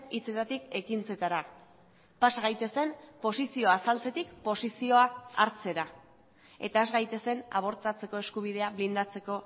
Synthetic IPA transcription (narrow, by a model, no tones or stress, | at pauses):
it͡se̞t̪at̪ike̞kint͡se̞t̪aɾa | pasaɣ̞ajt̪e̞se̞mpo̞sisio̞asalt͡se̞t̪ikpo̞sisio̞aa̰ɾt͡se̞ɾa | e̞̰t̪ae̞zɣajt̪e̞se̞na̰β̞o̞ɾt͡s̪at͡se̞ko̞e̞skuβ̞ið̞e̞aβlind̪at͡se̞ko̞